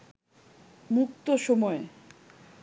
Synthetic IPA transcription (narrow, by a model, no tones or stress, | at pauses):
mukt̪oʃomɔe